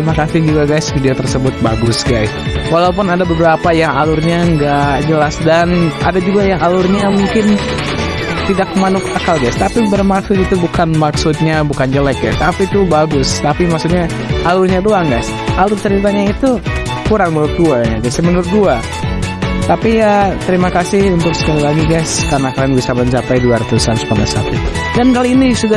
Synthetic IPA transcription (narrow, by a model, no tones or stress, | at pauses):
imakasɪd͡ʒuɡaɡajsfidiot̪ərsəbʊt̪̚baɡʊsɡajswalaup̬ʊnadabəbəɾapajaŋalʊrɲaŋɡad͡ʒəlasdana̰dad͡ʒuɡajaŋalʊrɲamuŋkɪn | t̪idakːəmanʊkakalɡajst̪apibərmaksʊt̪it̪ubukanmaksʊt̪̚ɲabukand͡ʒəlɛk̚ɡa̰jst̪apit̪ubaɡʊst̪apimaksut̪̚ɲa | ʔalʊrɲaduaŋɡas | ʔalʊrt̪əɾitaɲait̪u | kuɾaŋmənʊr̚duajaɡasamənʊr̚dua | t̪apijat̪əɾimakasɪhunt̪ʊksə̥kalilaɡiɡaskarnakalanbisabant͡ʃapajduaɾat̪usamsə̥panda̰sa̰t̪ut̪u | dankaliinisuda